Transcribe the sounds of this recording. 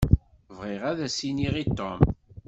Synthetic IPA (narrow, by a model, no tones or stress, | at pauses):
vʁɪʁæðæsiniʁit̪ːom